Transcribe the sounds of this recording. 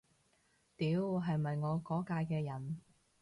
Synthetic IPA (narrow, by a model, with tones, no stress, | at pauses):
t̪iː˨˥wɦɐ˨jmɐ˨jŋɔː˨˧kɔː˨˥kaː˧jkɛː˧jɐ˨˩n